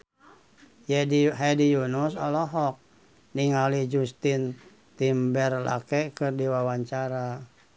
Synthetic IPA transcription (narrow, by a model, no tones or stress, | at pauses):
jɦadijunusalɔɦɔk̚ | niŋalid͡ʒust̪in | t̪imbɛrla̰kɛkɨrdiwawaɲt͡ʃaɾa